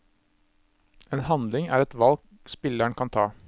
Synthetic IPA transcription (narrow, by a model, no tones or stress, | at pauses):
ʔeːnhɑnd̪lɪŋæ̰ːɾɛt̪ʋɑlk | spɪlæɳkʰɑnt̪ʰɑː